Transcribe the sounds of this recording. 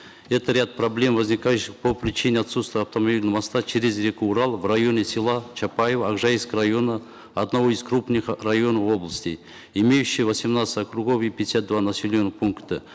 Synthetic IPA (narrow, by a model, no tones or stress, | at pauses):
ɛt̪əɾʲat̪̚prɐblʲe̞mvɐzʲnʲikajʊɕːɪχpʰopɾʲɪt͡ʃinʲɪat̪sut̪st̪vjɐft̪ɐmɐbʲilʲnəmast̪at͡ʃʰeɾʲɪzɾʲekuuɾɑlˠvrajo̞nʲesʲɪlˠat͡ʃʰapajevəaɡʐajiskəɾajo̞nə | ɐd̪nɐvo̞izkɾupnɨχrajo̞nəfo̞blˠəsʲtʲɪ | imʲejʉɕːɪjvɐsʲimnat̪sɨ̥t̪ʲakɾuɡo̞fipʲɪdʲɪsʲat̪̚d̪vanɐsʲɪlʲonːɨχpʰuŋkt̪ə